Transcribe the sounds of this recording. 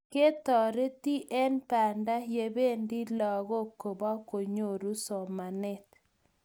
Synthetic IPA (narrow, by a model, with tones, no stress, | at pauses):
ke˦t̪ɔ˨ɾe˦t̪i˦ʔɛ˦npa˨nda˦je˨be˦ndi˦lɔ˨ɣo˦ko˨bɔ˦ko˨ɲo˨ɾu˦sɔ˨ma˨nɛ˦t̪